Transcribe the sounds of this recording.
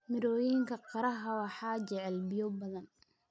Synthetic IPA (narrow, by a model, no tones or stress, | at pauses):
mɪɾɔːjiŋkʰɐqɑɾɐɦɐwɑħɑːt͡ʃɛʕɛlbɪjɔbɐðɐn